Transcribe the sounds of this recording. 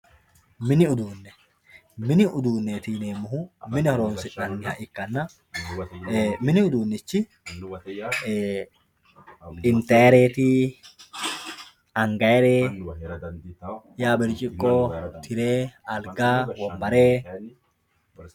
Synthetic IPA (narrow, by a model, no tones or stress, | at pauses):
mɪnɪʊd̪uːnːɛ | mɪnɪʔʊd̪uːnːet̪iːneːmːʊhʊmɪnɪhɔɾo̞ːnsɪʔɐnːɪhɐ̰ʔɪkːɐnːɐ | mɪnɪʊd̪uːnːɪt͡ʃːɪ | ɪnt̪eːɾeːt̪i | ɐŋɡɐɛɾeː | jaːbɪɾt͡ʃʼɪkʼːoːt̪ʰɪɾeːɐlɡaːwɔmbɐɾeː